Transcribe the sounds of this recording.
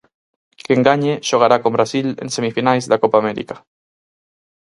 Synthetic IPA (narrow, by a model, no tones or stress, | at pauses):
keŋɡaɲeʒ̥oɣ̞aɾakombɾasilḛnsemifinajzðakopaːmɛɾḭkḁ